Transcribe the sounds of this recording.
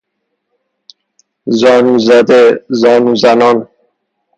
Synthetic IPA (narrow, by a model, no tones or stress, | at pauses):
zɒːnuːzæd̪ezɒːnuːzænɒn